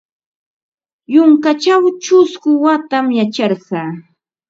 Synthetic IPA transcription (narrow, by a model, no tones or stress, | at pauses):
jʊŋkat͡ʃawt͡ʃʊskʊwat̪amjat͡ʃɑɾɢɑː